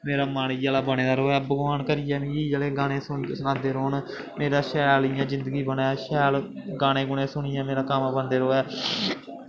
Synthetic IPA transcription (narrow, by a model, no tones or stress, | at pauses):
meːɾaːmaːɽiːaːlaːbəñeːd̪aːɾoːɛːbəɡaːnkəɾɪjɛːnĩːiːd͡ʒəːleːɡaːɽ̃ẽːsʊnsənãːd̪eːɾoːn | meːɾaːʃɛːlɪjãːd͡ʒɪ̃nd̪əɡiːbənaːʃɛːl | ɡaːɽ̃ẽːɡʊɳẽːsʊɳijãːmeːɾaːkəmbənd̪eːɾoːɛː